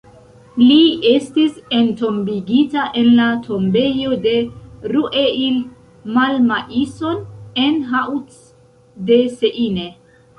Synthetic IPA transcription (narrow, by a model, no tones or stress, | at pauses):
lie̞stise̞nto̞mbiɡitaʔe̞nlatʰo̞mbe̞jo̞de̞ɾuʔeil | malmaʔiso̞ne̞nɦawt | de̞seʔine